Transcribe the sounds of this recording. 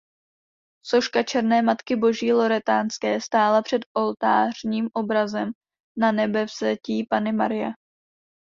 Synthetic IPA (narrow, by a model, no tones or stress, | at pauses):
so̞ʃkat͡ʃɛɾnɛːmat̪kɪbo̞ʒiːlo̞ɾɛt̪aːnskɛːst̪aːlapr̝̥ɛd̪ʔo̞lt̪aːr̝̥ɲiːmʔo̞bɾazɛm | nanɛbɛfsɛciːpanɪmaɾɪja